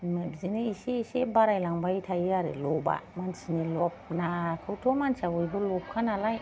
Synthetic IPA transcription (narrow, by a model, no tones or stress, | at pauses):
mebzineiʃeʃebaɾajlaŋbajitʰajiaɾḛloba̰mant͡ʃinelopnakawtomant͡ʃawoibulop̚kanalaj